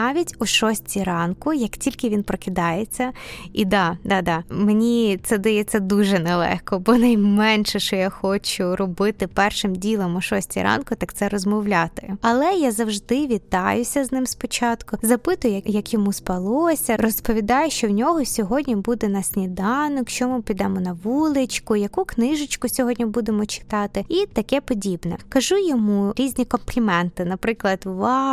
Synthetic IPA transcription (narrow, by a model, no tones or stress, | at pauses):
ɑʋʲitʲʊʃɔsʲtʲiɾɑnkʊjɐktʲilʲkɪʋʲinpɾɔkɪd̪ɑjet͡sʲːɐid̪ɑd̪ɑd̪ɑmenʲit̪sɛd̪ɪjet͡sʲːɐd̪uʒɛnɛlˠɛ̰xkɔbɔnɐjmɛnʃɛʃt͡ʃɔjaxɔt͡ʃʊɾɔbɪt̪ɪpɛrʃɪmdʲilˠɔmʊʃɔsʲtʲḭɾʔɑ̰nkʊt̪ɑkt̪sɛɾɔzmɔwlʲat̪ɪɐlˠɛjazɐwʒd̪ɪʋʲit̪ɑjʊsʲɐznɪmspɔt͡ʃɑt̪kʊzɐpɪt̪ʊjʊjɐjɐkjɔmuspɐlˠɔsʲɐrɔspɔʋʲid̪ɑjʊʃt͡ʃɔwnʲɔɦɔsʲɔɦɔdʲnʲibud̪ɛnɐsʲnʲid̪ɑnʊkʃt͡ʃɔmɪpʲid̪ɑmɔnɐʋulˠɪt͡ʃkʊjɐkuknɪʒɪt͡ʃkʊsʲɔɦɔdʲnʲibud̪emɔt͡ʃɪ̥t̪ɑt̪ɪit̪ɐkɛpɔdʲibnɛ̰kɐʒujɔmuɾʲizʲnʲikɔmplʲimɛnt̪ɪnɐpɾɪklˠɐd̪ʋɑ